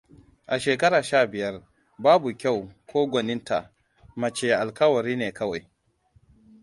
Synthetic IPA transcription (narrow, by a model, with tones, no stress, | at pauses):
ʔa˨ʃeː˨kɐ˦ɽaː˨ʃaː˦˨bɪ˨jɐ˦r | baː˦bu˨kʲa˦˨wkʰʷoː˦ɡʷɔ˨nɪ˦nta˨ | mɐ˨t͡ʃeː˨ʔa˨lkɐ˦wɐ˨ɾiː˦neː˨kɐ˦wa˨j